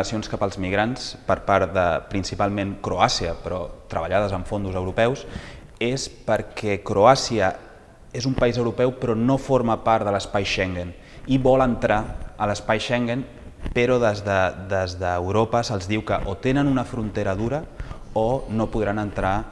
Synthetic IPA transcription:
sionskapəlˠzmiɣ̞ɾanspəɾpaɾt̪ðə̰pɾinsipalˠmeŋkɾoasiəpɾɔt̪ɾəβ̞əʎað̞əzəɱfond̪uzəwɾupɛws | espəɾkʰɛkɾoasiə | ezumpəizəwɾupɛwpɾɔnofoɾməpaɾt̪ðələspajʃɛŋɡən | iβɔlənt̪ɾaələspajʃɛŋɡən | peɾɔðəzðəd̪əzðəːwɾopəsəlˠzðiwkəʔot̪enənunəfɾunt̪eɾəðuɾəonopuðɾanənt̪ɾa

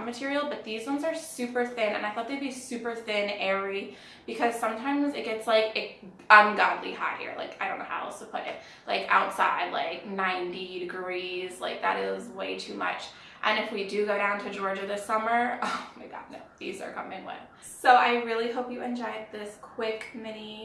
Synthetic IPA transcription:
mɨtʰɪɹil̩ˠbʌt̪̚ðizwʌ̃nzə˞sʉpə˞θɪ̃nɨ̰̃naɪθɔt̪̚ðeɪd̚bisʉpə˞θɪ̃nɛɹi | b̥ɨkʰʌz̥sʌ̃mtʰãɪ̃mzɨt̚ɡ̥ɛtslaɪkɨt̚ | ə̃nɡɑdˡlḭha̰ɪhḭɹla̰ɪkaɪɾõʊ̃noʊha̰ʊstʰəpʰʊɾɪ̰t̚ | la̰ɪkʰa̰ʊtsa̰ɪd̥ˡla̰ɪk̚nãɪ̃ntidɨɡɹiz̥la̰ɪk̚ðɨ̰ɾɪzweɪtʰʉmʌ̰t͡ʃ | ʔɨ̃nɨfwidɨɡoʊɾãʊ̃ntʰɨd͡ʒɔɹd͡ʒɨðɪsʌmə˞ʌmeɡɑ̰tⁿnoʊðḭzə̰˞kʰʌ̰̃mɪ̃ŋwʌ̰̃n | soʊʔaɪɹɪlˠiɦoʊpjɨɨ̃nd͡ʒɔɪd̪̚ðɪskʰw̥ɪkmɪni

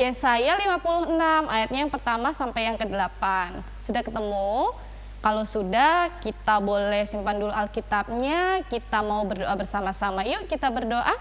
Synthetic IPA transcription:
jasajalimapuluhənamʔajat̪̚ɲajaŋpərt̪amasampajaŋkədəlapan | sudahkət̪əmu | kalosudahkit̪abolɛhsimpandulualkit̪ap̚ɲakit̪amaubərdoʔabərsamasamajukit̪abərdoʔa

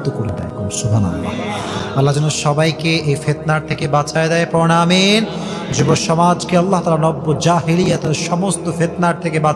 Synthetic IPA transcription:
t̪okoɽed̪ɛ̰jkomsubʱanɐ̰lːa̰ɐlːad͡ʑɔnoʃɔbajkeʔejfet̪naɾt̪ʰekebat͡ɕʰaed̪ɛepɔɾnamin | d͡ʑuboʃɔmad͡ʑkeɐlːaɦt̪aːlaɾnɔbːod͡ʑaɦilijat̪aɾʃɔmost̪ofet̪naɾt̪ʰekeba

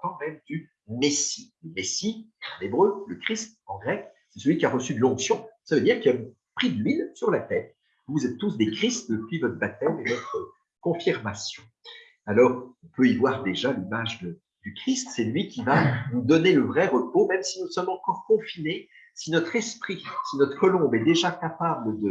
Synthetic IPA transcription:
kɑ̃mɛmd̪y | mesi̥ləmesi | ɑ̰̃nebʁøləkχist̪ɑ̃ɡʁɛk | sɛsəlɥikʲiaʁəsyd̪əlɔ̃ksjɔ̃savød̪iʁkiɛm | pχid̪əlɥilsyʁlat̪ɛːʁ | vuvuzɛt̪ːusd̪ekχist̪̚d̪əpɥivɔt̪χəbat̪ɛmevɔt̪χə | kɔ̃fiʁmasjɔ̃ | alɔʁɔ̃pøivwaʁd̪eʒalimaʒd̪ə | d̪̥ykχist̪sɛlɥikʲivavud̪ɔneləvʁɛʁəpomɛmsinusɔmɑ̃kɔʁkɔ̃fine | sinɔt̪χɛspχisinɔt̪χə̥kɔlɔ̃bɛd̪eʒakapabləd̪ə

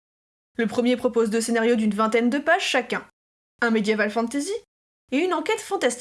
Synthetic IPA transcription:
ləpχəmjepχɔpozd̪əsenaʁjod̪ynvɛ̃t̪ɛnd̪əpaʒʃakʲɛ̃ | ɛ̃med̪jevalfɑ̃t̪ezi | eynɑ̃kʲɛt̪fɑ̃t̪ast̪

